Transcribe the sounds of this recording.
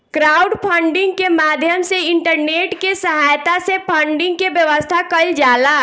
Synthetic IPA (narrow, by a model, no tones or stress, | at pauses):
kɾaːʊɖpʰə̃ɳɖɪ̃ŋɡ̚kemaːd̪ʱjəmseɪɳʈəɾneːʈkesəɦaːjt̪asepʰəɳɖɪ̃ŋɡ̚kebjəʋəst̪ʰakəld͡ʒaːlaː